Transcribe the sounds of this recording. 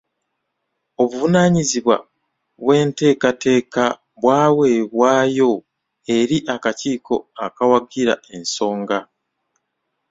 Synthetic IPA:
o̞βuvunaɲiziβwa̰ | βwe̞ːnte̞ːkate̞ːka | βwaːwe̞ːβwaːjo̞ | e̞ɾiʔakaciːkʰo̞akawaɡiɾae̞nso̞ːŋɡa

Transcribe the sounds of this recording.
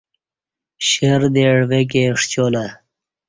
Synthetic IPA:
ɕeɾd̪eɽwek̬eʂt͡ɕola

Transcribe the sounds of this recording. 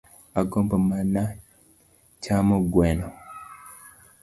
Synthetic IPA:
akombomana | t͡ʃamoɡwɛno

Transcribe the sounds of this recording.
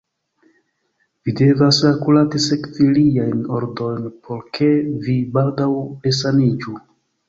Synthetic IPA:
vide̞vasakulatise̞kviliajnoɾdo̞jnpʰo̞ɾkʰe̞vibaldawles̬anid͡ʒu

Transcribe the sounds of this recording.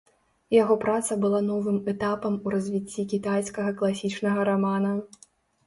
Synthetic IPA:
jaɣɔpɾat̪sɐbɨlˠanɔvɨmɛt̪apɐmuɾɐzʲvʲit͡sʲːikʲit̪ajskɐɣɐklˠasʲit͡ʂnɐɣɐɾamanɐ

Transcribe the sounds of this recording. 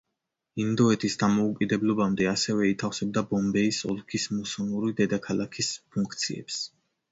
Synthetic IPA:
ind̪ɔɛt̪ʰisd̪amɔukʼid̪ɛblˠɔbamd̪ɛasɛvɛit̪ʰafsɛb̚d̪abɔmbɛisɔ̰lˠkʰismusɔluɾid̪ɛd̪akʰalˠakʰispʰuŋkʰt̪sʰḭɛ̰ps

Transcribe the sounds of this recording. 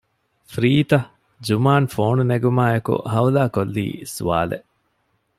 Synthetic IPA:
fɾiːt̪ɐ | d͡ʒumaːnfoːnuneɡumaːekṵʔɦɐwlaːkolːḭːsuʋa̰ːlḛʔ

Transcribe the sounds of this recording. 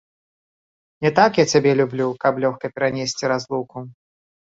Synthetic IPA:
nʲɛt̪akjat͡sʲabʲɛlʲublʲukɐplʲɔxkɐpʲɛɾanʲesʲt͡sʲiɾazlˠuku

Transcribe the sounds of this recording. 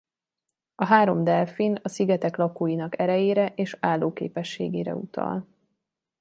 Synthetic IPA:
ɒɦaːɾo̞md̪ɛlfinɒsiɡɛt̪ɛklɒkoːjinɒkɛɾɛjeːɾɛʔeːʃaːlːoːkḛːpɛʃːeːɡḛːɾɛ̰ṵt̪ʰɒ̰l

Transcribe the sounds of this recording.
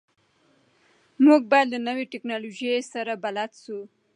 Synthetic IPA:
muɡ̚bajad̪lanəweʈɪknɑloʒiesaɾabalat̪su

